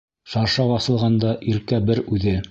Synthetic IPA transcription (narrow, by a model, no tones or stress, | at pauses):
ʃɑɾʃɑbɑθɤ̆lˠʁɑnd̪ɑʔiɾkæbɘɾʉðɘ